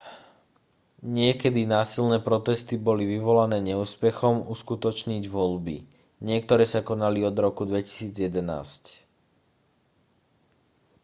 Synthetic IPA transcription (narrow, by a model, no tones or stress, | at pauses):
ɲɪɛkɛd̪inaːsilnɛːpɾɔt̪ɛst̪ibɔliʋiʋɔlanɛːɲɛuːspɛxɔmuskut̪ɔt͡ʃɲiɟʋɔlbḭ | ɲɪɛkt̪ɔɾɛːsakɔnaliɔd̪ɾɔkud̪ʋɛci̥siːd͡zjɛd̪ɛna̰ːsc